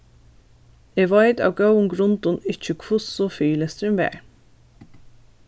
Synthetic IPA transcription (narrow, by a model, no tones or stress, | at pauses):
eːʋɑɪd̪ɑ̰ːʋɡɑʊŋɡɾʊnd̪ʊnɪc͡çəkʰʋʊsoːfyːləst̪ɾɪmʋḛːɹ